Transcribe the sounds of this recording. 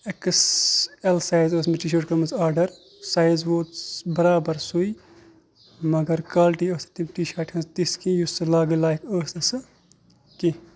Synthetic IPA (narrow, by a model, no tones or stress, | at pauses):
ekɨselsaːjzəːsmiʈiʃ̬ɐʈkɐmɐzaːɾɖɐɾ | saːjzʋoːt̪bɐɾaːbɐɾsui | mɐɡɐɾkaːlʈiəːsɐ̥t̪imʈiʃaːʈhɐ̃nzt̪iskĩjusɨlaːɡɨlaːjkəːsɐsɨ | ki